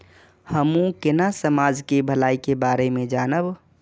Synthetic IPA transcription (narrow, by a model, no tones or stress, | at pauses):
həmũkɪnasəmaːd͡ʒkebʱəlaːikebaːɾemẽd͡ʒaːnəb